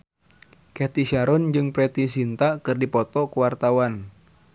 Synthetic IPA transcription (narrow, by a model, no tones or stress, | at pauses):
kɛt̪isaɾɔnd͡ʒɨŋpɾɛt̪is̬int̪akɨrdipɔt̪ɔkuwart̪awan